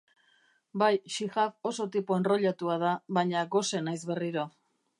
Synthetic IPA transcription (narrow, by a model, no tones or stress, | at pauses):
bajʃiɣafo̞so̞t̪ipoenro̞ʎat̪uað̞aβaɲaɡo̞se̞najzβe̞riɾo